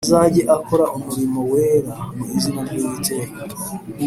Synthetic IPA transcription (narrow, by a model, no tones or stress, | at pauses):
zaɟeʔakoɾaʔumuɾimo̞weːɾamuizinaɾɟiːiteh